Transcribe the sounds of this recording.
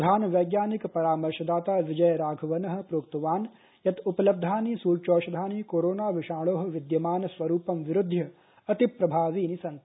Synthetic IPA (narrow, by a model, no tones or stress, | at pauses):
d̪ʱaːnʋɐjɡjaːnikpɐɾaːmɐɾʃɐd̪aːt̪aːʋɪd͡ʒɐjɐɾaːɡʱɐʋɐnɐɦɐ̆pɾoːkt̪ɐʋaːn | jɐt̪upɐlɐb̚d̪ʱaːnisuːɾt͡ʃoːʃɐd̪ʱaːnikoːɾoːnaːʋɪʃaːɭoːɦɐ̆ʋɪd̪jɐmaːnɐsʋɐɾuːpɐmʋɪɾʊd̪ʱjɐ | ɐt̪ipɾɐbʱaːʋiːnisɐnt̪